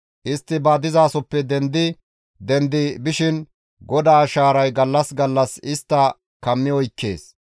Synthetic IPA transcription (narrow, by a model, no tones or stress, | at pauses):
ʔɪst̪ːɪbaːd̪ɪzaːsɔpːɛd̪ɛnd̪ɪ | d̪ɛnd̪ɪbɪʃɪn | ɡɔd̪aːʃaːɾɐjɡɐlːɐsɡɐlːɐsɪst̪ːɐ | kɐmːɪɔjkːe̞ːs